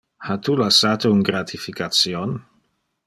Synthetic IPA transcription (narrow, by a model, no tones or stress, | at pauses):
hat̪ulasat̪ouŋɡɾat̪ʰifikat̪sjon